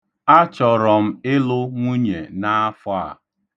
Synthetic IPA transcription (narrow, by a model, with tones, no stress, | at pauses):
a˦t͡ʃɔ˨ɾɔ˨m̩˦ɪ˦lʊ˦ŋʷu˦ɲe˨na˦a˦fʊ˦a̰˦˨